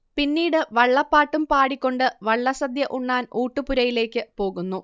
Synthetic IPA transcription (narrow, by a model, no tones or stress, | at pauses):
pinːiːɽɨʋɐɭːɐpːaːʈːumpaːɽikʲːo̞ɳɖɨʋɐɭːɐsɐd̪jɐʔuɳːaːnuːʈːɨpuɾɐjile̞ːkʲːɨpo̞ːɣunːu